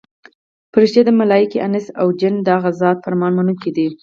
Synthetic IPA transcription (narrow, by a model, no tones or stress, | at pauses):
pəɾɪʃt̪ed̪əmalɑjikiʔanɪsawd͡ʒɪnd̪ɑɣazɑd̪̚faɾmɑnmanukid̪i